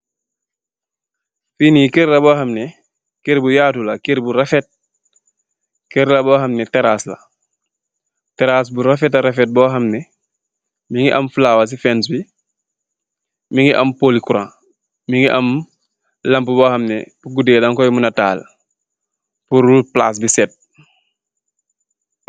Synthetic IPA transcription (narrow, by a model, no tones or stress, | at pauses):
fiːnikeɾlabohɐmnɛ | keɾbujaːtulakeɾbuɾafɛt̚ | keɾlabɔːɦɐmnɛtɛɾaːsla̰ | teɾaːs̬buɾafɛtaɾefɛt̚bɔːɦɐmnɛ | miŋɡiʔɐmflaːwas̬ifɛns̬bi | miŋiʔɐmpoːlikuɾã̰ː | miŋɡiʔɐm | lɐmpubɔːhɐmnɛbuɡudeːdaŋkɔjmunɐta̰ːl | puɾupla̰ːs̬bisɛt̚